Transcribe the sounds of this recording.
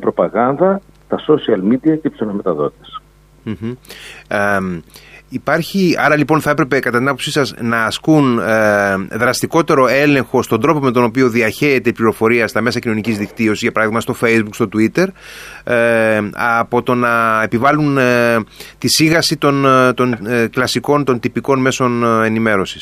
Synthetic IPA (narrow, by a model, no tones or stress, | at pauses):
pɾo̞pɐɣɐnd̪ɐ | t̪ɐso̞siɐlmid̪iɐcepsonɐmet̪ɐðo̞̰tt̪es̩ | ipɐɾçiɐɾɐlipo̞nθɐe̞pɾe̞pe̞kɐt̪ɐt̪inɐpo̞psisɐznɐːskun | ðɾɐst̪iko̞t̪e̞ɾo̞e̞le̞ŋxo̞st̪ond̪ɾo̞po̞me̞t̪o̞no̞pio̞ðiɐçe̞ːt̪eipliɾo̞fo̞ɾiɐst̪ɐme̞sɐcino̞nicizðikt̪io̞sizʝɐpɐɾɐðiɣmɐst̪o̞fe̞jzbukst̪o̞t̪uit̪e̞ɾ | ɐpo̞t̪o̞nɐe̞pivɐlun | t̪isiɣɐsit̪o̞nt̪o̞nklɐsiko̞nt̪o̞nt̪ipiko̞nme̞so̞ne̞nime̞ɾo̞si̥s